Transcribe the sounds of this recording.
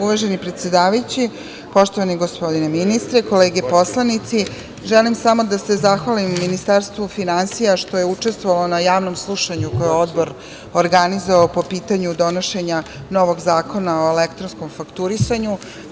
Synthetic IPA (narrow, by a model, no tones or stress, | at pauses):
uʋaʒe̞nipɾet̪sjed̪aːʋajut͡ɕi | po̞ʃt̪oʋaniɡospo̞d̪ineminist̪ɾeko̞leːɡepo̞slˠanit̪si | ʒelimsamo̞d̪ase̞zaxʋalimːinist̪aɾst̪ʋufinansijaʃt̪o̞je̞ut͡ʂe̞st̪ʋoʋalo̞najaːʋno̞mslˠuʃaɲukojeod̪bo̞ɾ | oɾɡanizoʋaopo̞piːt̪aɲud̪o̞noʃe̞ɲa | no̞ʋo̞ɡzaːko̞nao̞elekt̪ɾonsko̞mfakt̪uɾisaɲu